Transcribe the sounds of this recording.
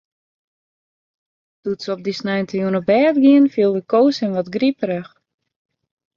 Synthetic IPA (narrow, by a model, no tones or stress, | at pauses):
d̥utsəob̚disnɛjntʰəjuənəbɛːtɡiənfiəlˠdəkoːsənʋɔtɡripɾəx